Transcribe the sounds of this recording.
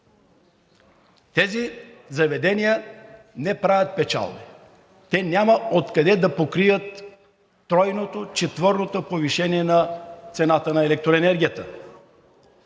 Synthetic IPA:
t̪ɛzizɐvɛd̪ɛnijə | nɛpɾavʲɐt̪̚pɛt͡ʃa̰lˠbɛ | t̪ɛnʲjamɐot̪kɐd̪ɛd̪ɐpokɾiət̪ː | ɾɔjnot̪ot͡ʃɛt̪vɤɾnot̪opoviʃɛniɛnɐt̪sɛnat̪ənɐɛlɛk̚t̪ɾoɛnɛɾɡʲijət̪ə

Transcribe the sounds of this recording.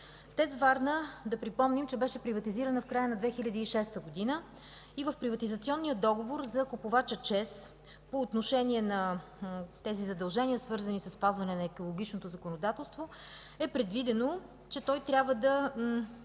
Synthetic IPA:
t̪ɛzvaɾnəd̪ɐpɾipɔmnimt͡ʃɛbɛʃɛpɾivɐt̪iziɾənəfkɾajənɐd̪vɛxilʲəd̪iːʃɛst̪əɡod̪inə | ivəfpɾivɐt̪izɐt̪siɔnːijəd̪ɔɡovoɾzɐkopovat͡ʃət͡ʃɛs | poːt̪noʃɛniɛnɐ | t̪ɛzizɐd̪ɐlˠʒɛniəsvɤɾzənisəsːpazvɐnɛnɐɛkolˠoɡʲit͡ʃnot̪ozəkonod̪at̪ɛlˠst̪vo | ɛpɾɛd̪vid̪ɛno | t͡ʃɛt̪ɔjt̪ɾʲabvəd̪ɐ

